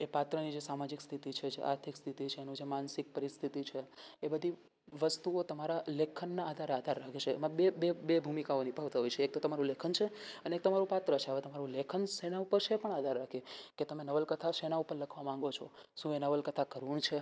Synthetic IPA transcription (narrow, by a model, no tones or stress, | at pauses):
epat̪ɾənid͡ʒesamad͡ʒikst̪ʰit̪it͡ʃʰed͡ʒḛʔa̰ɾt̪ʰikst̪ʰit̪it͡ʃʰeːnũd͡ʒemansɪk̚pəɾist̪ʰit̪it͡ʃʰeːbəd̪ʱi | ʋəst̪uot̪əmaɾalekʰənːaːd̪ʱaɾead̪ʱaɾːakʰet͡ʃʰḛːmãbebebebʱumikaonibʱaʋt̪aɦojt͡ʃʰeek̚t̪ot̪əmaɾũlekʰənt͡ʃʰeəneek̚t̪əmaɾũpat̪ɾət͡ʃʰeaʋet̪əmaɾũlekʰənsenaupəɾʃʰeːpəɳad̪ʱaɾːakʰeket̪əmenəʋəlkət̪ʰaʃenaupəɾləkʰʋamãŋ̆ɡot͡ʃʰoʃũenəʋəlkət̪ʰakəɾuɳt͡ʃʰe